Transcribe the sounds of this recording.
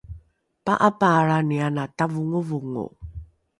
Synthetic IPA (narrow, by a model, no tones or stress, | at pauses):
pa̰ʔapaːɾanianatavuŋuvuŋṵ